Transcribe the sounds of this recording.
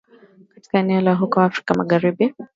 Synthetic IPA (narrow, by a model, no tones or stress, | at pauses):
kḁti̥kaɛnɛɔlaɦukɔwaːfɾi̥kamaɣaɾibi